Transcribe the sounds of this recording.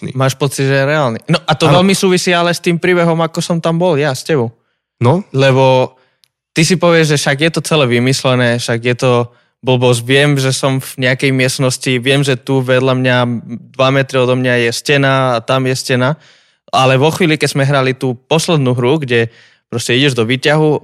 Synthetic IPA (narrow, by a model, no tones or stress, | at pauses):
ḭmaːʃpɔt͡sid̪ʒɛjɛɾɛaːlninɔʔat̪ɔʋɛlmisuːʋisiːalɛst̪iːmpɾiːbɛɦɔmakɔsɔmt̪ambɔljascɛbɔʊ | nɔlɛβɔ | t̪is̬ipɔʋɪɛʒʒɛʃaɡjɛt̪ɔt͡sɛlɛʋimislɛnɛːfʃaɡjɛt̪ɔ | bl̩bɔs̬ʋɪɛmʒɛsɔmvɲɛakɛjmɪɛst̪nɔsciʋɪɛmʒɛt̪uʋɛd̪lamɲad̪ʋamɛt̪ɾiɔd̪ɔmɲajɛscɛnaːt̪amjɛscɛna | alɛʋɔxʋiːlikɛzmɛɦɾalit̪uːpɔslɛd̪nuɦɾuɡɟɛ | pɾɔscɛiɟɛʒd̪ɔʋiːcaɦu